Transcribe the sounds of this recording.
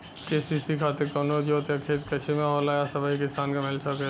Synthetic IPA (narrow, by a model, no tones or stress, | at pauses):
keːsiːsikʰaːt̪ekoːnod͡ʒoːt̪ʰakʰeːt̪kɐt͡ʃʰimãɦoːlaːjasɐbaɦikɪsaːnkamɪlt͡ʃʰake